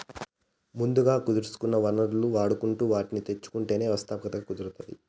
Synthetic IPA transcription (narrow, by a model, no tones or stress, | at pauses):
mund̪uɡaːkud̪uɾusu̥kunːɐʋɐnɐɾluaːɽukuɳʈuːʋaːʈinit̪e̞t͡ʃːu̥kuɳʈeːne̞ːʋɐst̪ʰaːpɐkɐt̪ɐɡakud̪uɾut̪ɐd̪ḭ